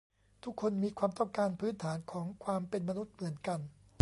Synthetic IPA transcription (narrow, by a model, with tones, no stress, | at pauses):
t̪ʰu˦˥kʰːo˧nmiː˧kʰwaː˧mt̪ɔ˥˩ŋkaː˧npʰɯː˦˥nt̪ʰaː˩˦nkʰɔː˩˦ŋkʰwaː˧mpe˧nma˧nu˦˥t̪̚mɯ˩˦ənka˧n